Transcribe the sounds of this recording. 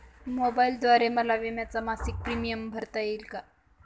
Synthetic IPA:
mobaild̪ʋaɾeməlaʋemjat͡samasik̚pɾimijəmbʱəɾt̪ajilka

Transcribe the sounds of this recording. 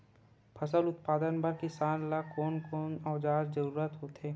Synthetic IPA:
pʰɐsəlʊt̪paːd̪ənpɐɾkɪsaːnlakoːnkoːnɔːd͡ʒaːɾzɐɾuːɾət̪ɦoːt̪eː

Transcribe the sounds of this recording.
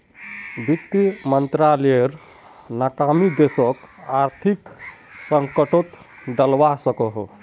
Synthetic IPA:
bit̪ːimənt̪ɾalijəɾ | naʈamid̪esɔk | aɾt̪ʰik | səŋkəʈot̪ | ɖəlʋasəkɔɦ

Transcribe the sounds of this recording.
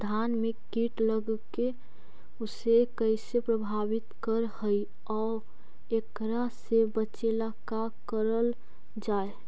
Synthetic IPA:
d̪ʱaːnmekiʈləɡke | ʊsekəɪsepɾəbʱawɪt̪kəɾhəi | ɔː | ek | ɾasebət͡ʃelaka | kəɾəl | d͡ʒaːe

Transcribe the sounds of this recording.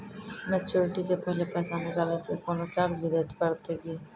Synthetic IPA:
met͡ɕuɾiʈit̪epʰɔlepasanekalasekonot͡ɕaɾd͡ʑbid̪at̪e̥paɾt̪ʰeki

